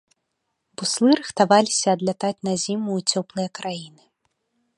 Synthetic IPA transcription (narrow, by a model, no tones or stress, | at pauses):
buslˠɨɾɨxt̪avalʲisʲɐːd̪lʲat̪at͡sʲnazʲimuːt͡sʲɔplˠɨjɐkɾajinɨ